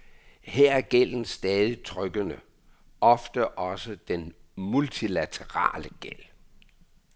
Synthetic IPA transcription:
heɐ̰æɐɡ̥el̰n̩sd̥ɛːð̞ˠit͡sʰʁœɡ̥ənə | ʔɒ̽fd̥əʔɒ̽səd̥enmult͡sʰilæt͡sʰəʁɑ̰̈ːləɡ̥el̰

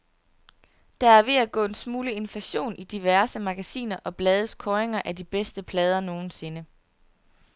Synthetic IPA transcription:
d̥ɑæɐʋe̝æɡ̥ɔ̰̽ːe̝nsmuːləe̝nflæɕo̝̰ːnʔid̥iʋæɐsəmɑ̈ɡ̥æsḭːnɐʔɒ̽b̥lɛːð̞ˠəskʰɒːeŋɐʔæd̥ib̥esd̥əpʰlɛːð̞ˠɐno̝ːn̩se̝nə

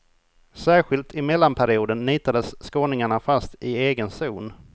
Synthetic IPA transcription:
sæːɾɧɪlt̪ʰɪmɛlːanpʰæɾɪuːd̪ənːiːt̪ad̪əsːkoːnɪŋaɳafast̪ɪeːɡənsuːn

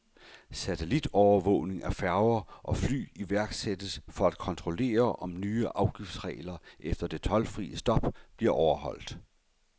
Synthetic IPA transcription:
sæt͡sʰelid̥ɒʊɐʋɔ̰ʊne̝ŋæɐfæɐʊɐʔɒ̽fly̰ːiʋæɐɡ̥sed̥əsfɒ̽æd̥̚kʰɒ̽nt͡sʰʁo̝le̝̰ːɐʔɒ̽mnyːəʔɑ̈ʊɡ̥ifd̥sʁɛ̰ːlɐʔefd̥ɐd̥e̝t͡sʰɒ̽lfʁḭːəsd̥ɒ̽b̥b̥liɐʔɒʊɐɦɒ̽l̰d̥

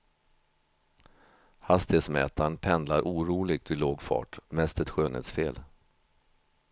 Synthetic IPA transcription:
hast̪ɪsmɛ̰ːt̪ʰaɳpʰɛnd̪laɾʔuːɾuːlɪɡ̚t̪vɪloːɡfɑ̰ːʈmɛst̪ɛt̪ɧøːnḛːt̪sfeːl

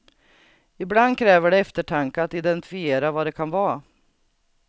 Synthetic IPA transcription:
ɪbland̪kʰɾɛːvəɖɛɛft̪əʈʰaŋkəat̪ɪd̪ɛnt̪ɪ̥fɪeːɾavaːd̪ɛkʰanvɑː

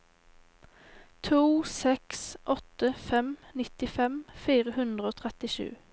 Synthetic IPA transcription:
t̪ʰuːsɛksʔɔt̪əfɛmnɪt̪ɪfɛmfiːʁəhʉnd̪ʁəoːt̪ʰʁɛt̪ɪʃʉ̰ː

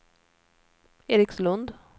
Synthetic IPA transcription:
eːɾɪkslɵnd̪

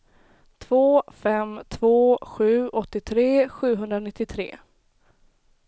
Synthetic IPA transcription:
t̪ʰvoːfɛmt̪ʰvoːɧʉ̟ːɔt̪ːɪt̪ʰɾeːɧʉ̟ːɦɵnd̪ɾanɪt̪ːɪt̪ʰɾḛː

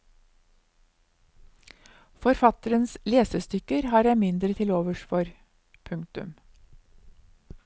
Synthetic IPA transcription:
fɔɾfɑt̪əɾənsleːsəst̪ʏkəɾhɑːɾjæɪmɪnd̪ɾət̪ʰɪloːʋəʃfɔɾ | pʰʉŋt̪ʉ̰m

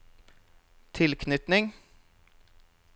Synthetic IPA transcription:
t̪ʰɪlkʰnʏt̪nɪŋ

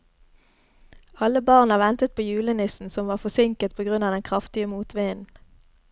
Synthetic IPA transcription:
ɑləbɑːʁnɑʋɛnt̪ət̪̚pʰoːjʉːlənɪsn̩sɔmʋɑːʁfɔsɪŋkət̪̚pʰoːɡʁʉnɑːd̪ɛnkʰʁɑft̪ɪəmuːt̪ʋeːnn̩

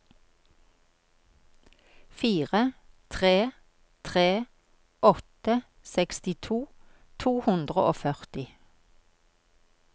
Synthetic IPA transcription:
fiːʁət̪ʰʁeː | t̪ʰʁeː | ɔt̪ə | sɛkst̪ɪt̪ʰuː | t̪ʰuːhʉnd̪ʁə̰ʔoːfœʁt̪ɪ

